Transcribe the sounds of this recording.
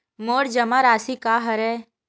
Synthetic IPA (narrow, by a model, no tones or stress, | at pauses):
moːɾd͡ʒɐmaɾaːsikaːɦɐɾɛː